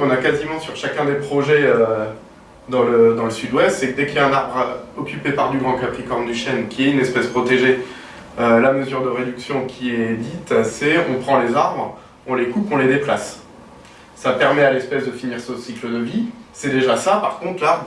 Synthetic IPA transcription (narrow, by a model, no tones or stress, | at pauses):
kɔ̃nakazimɑ̃syʁʃakʲɛ̃d̪epχɔʒɛø | d̪ɑ̃ləd̪ɑ̃ləsyd̪wɛst̪sɛkd̪ɛkjaɛ̃naʁbʁɔkʲʰypepaʁd̪yɡʁɑ̃klapχikɔʁmd̪yʃɛnkʲiɛynɛspɛspχɔt̪eʒe | ølaməzyʁd̪əʁed̪yksjɔ̃kʲʰiɛd̪it̪sɛɔ̃pχɑ̃lezaʁbʁ | ɔ̃lekupɔ̃led̪eplas | apɛʁmɛalɛspɛsd̪əfiniʁsosiklɔnɔvisɛd̪eʒasapaʁkɔ̃t̪χlaʁbʁ